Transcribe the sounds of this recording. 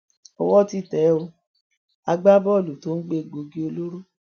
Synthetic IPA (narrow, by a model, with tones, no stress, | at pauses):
ɔ˧wɔ˦ti˦˨tɛ˨˦o˧ | a˧ɡ͡ba˦bɔ˦˨lu˨to˦n̩˦ɡ͡be˦˨ɡ͡bo˧ɡi˦o˧lo˦ɾo˦